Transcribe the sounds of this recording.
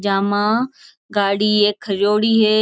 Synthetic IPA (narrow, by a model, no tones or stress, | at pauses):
d͡ʒaːmãː | ɡaːɽiːeːkʰəjoːɽiːɦeː